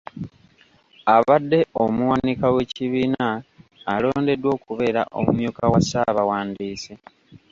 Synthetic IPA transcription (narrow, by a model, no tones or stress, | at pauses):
aβadːe̞omuwanikawe̞ːciβiːnaːlo̞ːnde̞dwo̞ːkuβe̞ːɾa̰ʔo̰mṵmjuːkawasaβawaːndiːse